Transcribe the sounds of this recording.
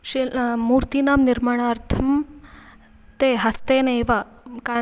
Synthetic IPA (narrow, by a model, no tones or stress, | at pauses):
ʃimuːɾt̪iːnaːmniɾmɐɳ̃aːɾt̪ʰɐm | t̪eːɦɐst̪eːneːʋa | ka